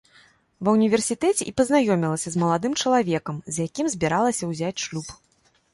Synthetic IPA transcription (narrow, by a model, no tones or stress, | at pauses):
vɐwnʲivʲɛrsʲit̪ɛt͡sʲɛʔipɐznajɔmʲilˠɐsʲɐzmɐlˠad̪ɨmt͡ʂɐlˠavʲɛkɐmzʲjakʲimzʲbʲiɾalˠɐsʲɐwzʲat͡sʲʂlʲup